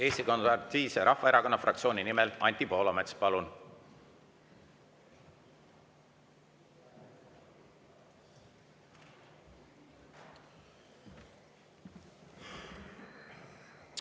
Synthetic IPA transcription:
e̞ːst̪iko̞nɑrt̪iːseɾʔɑhːɑe̞ɾɑko̞nːɑfrɑ̰k̚t̪sioːnʲinimelɑnʲt̪ipo̞ːlomet̪spɑlun

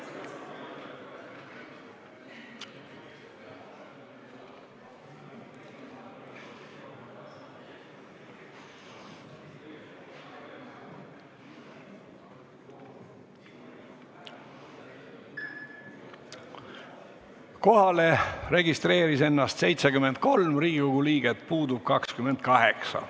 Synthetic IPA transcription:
ko̞hɑlere̞ɡist̪re̞ːɾise̞nːɑst̪se̞jt̪sekyme̞nt̪̚ko̞lmriːɡuɡuliːɡ̥et̪puːd̪ub̥̚kɑkskymend̪̥̚kɑɦeksɑ̰

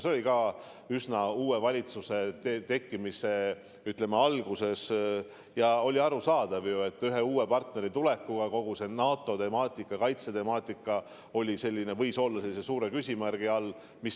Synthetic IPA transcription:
seo̞likɑ | ysnɑuːe̞vɑlʲit̪suse̞t̪et̪e̞kːimise̞ | yt̪le̞meɑlɡ̥use̞s | jɑo̞lʲiɑɾusɑːd̪̥ɑvjue̞t̪ːˑyɦe̞uːe̞pɑrt̪ne̞ɾit̪ule̞kːuɡ̥ɑko̞ɡ̥use̞nɑːt̪ˑːo̞t̪e̞mɑːt̪ʲˑikːˑɑkɑjt̪set̪e̞mɑːt̪ːˑikˑːɑ | o̞lʲise̞lʲːine̞vɤ̞jso̞lːɑse̞lːise̞suːɾe̞kysʲimærɡ̥iɑlː | mis

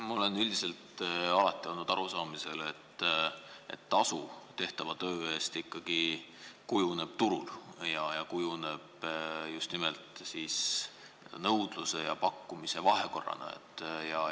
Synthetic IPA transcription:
mɑo̞le̞nylʲd̪ise̞lt̪ɑlɑt̪ːˑio̞lnːud̪̥ɑ̰ɾusɑːmise̞let̪ː | ḛt̪ːɑsut̪e̞ht̪ɑvɑt̪ø̞ːe̞ːst̪ikːˑɑɡ̥ikujune̞b̥t̪uɾuljɑjɑkujune̞b̥just̪nime̞lt̪ˑsiːs | nɤwd̪̥luse̞jɑpɑkːumise̞vɑɦe̞ko̞rːɑ̰nɑ̰ḛt̪ːˑjɑ

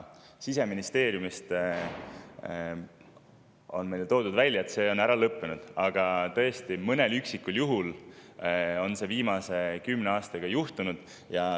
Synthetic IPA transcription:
sise̞minist̪e̞ːɾjumist̪ | o̞̰nmejlet̪o̞ːd̪ud̪vælʲːjɑet̪se̞ːo̞næɾɑlɤpːe̞nud̪̥ɑɡ̥ɑt̪ɤ̞est̪imɤne̞lyksikːˑuljuɦul | o̞nse̞viːmɑse̞kymne̞ɑːst̪ɑɡ̥ɑjuht̪unud̪̥ | jɑ

